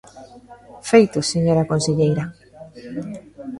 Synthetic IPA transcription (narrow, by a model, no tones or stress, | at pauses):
fejt̪ʊseɲoɾakonseʎejɾa